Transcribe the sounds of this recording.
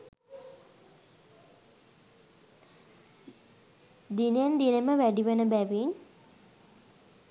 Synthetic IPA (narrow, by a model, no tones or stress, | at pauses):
d̪inejend̪ineməʋæɖiʋənəbæʋin